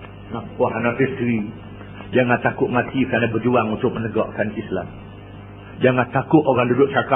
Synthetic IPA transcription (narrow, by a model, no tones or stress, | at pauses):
naɔɦanaʔist̪ɾi | d͡ʒaŋãt̪akʊʔ̪̚mãt̪ikanabəd͡ʒuaŋunt̪ʊk̚mənəɡɔʔkansisla | d͡ʒaŋãt̪akʊʔ̪oɣaŋdudʊʔ̚t͡ʃaka